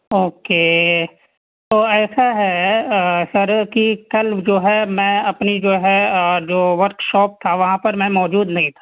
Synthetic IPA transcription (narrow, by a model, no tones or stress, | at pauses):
oːkeː | t̪oːɛːsaɦɛ | sɐɾkikɐld͡ʒoːɦɛmɛ̃ɐpnid͡ʒoːɦɛd͡ʒoːʋɐɾkʃɔːp̚t̪ʰaʋɐɦãpɐɾmɛ̃mɔːd͡ʒuːd̪nɐɦĩt̪ʰḁ